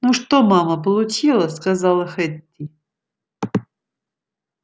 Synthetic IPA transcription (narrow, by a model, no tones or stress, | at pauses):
nuʂt̪omaməp̬əlˠʊt͡ɕilˠəskazalˠəxɛt̪ʲːi